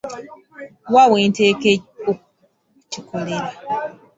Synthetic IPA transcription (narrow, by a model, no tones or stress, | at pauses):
wawentekeo | t͡ʃikʰoleɾa